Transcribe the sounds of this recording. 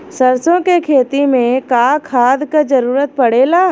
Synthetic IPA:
sɐɾsõkekʰeːt̪imẽkaːkʰaːd̪kad͡ʒɐɾuːɾət̪̚pɐɽeːlaː

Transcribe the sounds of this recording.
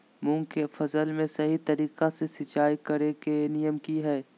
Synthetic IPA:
mʊ̃ŋɡkefʰɐzəlmẽsɐɦit̪ɐɾiːqasesɪt͡ʃaːikɐɾekenɪjəmkiɦɛː

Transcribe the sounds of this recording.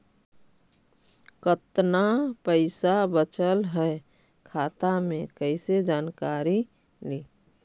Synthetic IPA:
kət̪napəɪsabət͡ʃəlɦɛ | kʰaːt̪amẽkəɪsed͡ʒaːnkaɾi | liː

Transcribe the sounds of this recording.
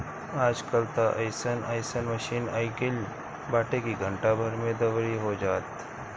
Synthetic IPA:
aːd͡ʒkəlt̪aʔɐɪsənaːɪsənmɐʃiːnaːɪkɪl | baːʈekiɡʱə̃ɳʈabʱɐɾmẽd̪ɐʋɾiɦod͡ʒaːt̪

